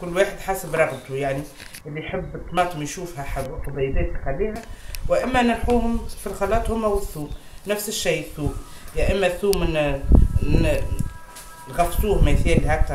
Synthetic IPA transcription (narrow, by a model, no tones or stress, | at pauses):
kʊlːwaːħəd̪ħaːsəbɾˤɑɣbt̪ujaʕni | ʔɪlːiħɪbːt̪ːmɑːt̪ˤːəmjʃuːfhæħaq̪ɑd̪ˤɑjbæːt̪ixalːiːhæwɪʔɪmːænɪnħuːhʊmfilxɑlɑːt̪ˤhʊmːæwɪθːuːm | næfsɪʃːijθuːmjæʔɪmːæθuːmn | lɣɑft̪uːhmæjθiːlhæk̚t̪ɑɾ